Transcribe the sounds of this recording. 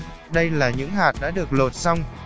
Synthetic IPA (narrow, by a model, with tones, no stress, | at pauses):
ɗə˧jlaː˨˩ɲɨ̰˧˥ŋɦaː˨˩t̚ɗa̰ː˧˥ɗɨ˨˩ək̚lo˨˩t̚sa˧wŋ͡m